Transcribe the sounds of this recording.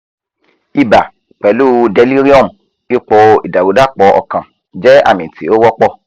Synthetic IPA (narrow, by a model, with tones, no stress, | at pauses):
i˧ba˨ | k͡pɛ˨˦lu˦dɛ˨˦li˦ɾi˦ɔ˦˨m˨ | i˦k͡pɔ˧i˨da˨wu˨˦da˦˨k͡pɔ˧˦ʔɔ̰˧˨kã˨ | d͡ʒɛ˦a̰˦˨mĩ˨ti˨˦o˦wɔ˦k͡pɔ˦˨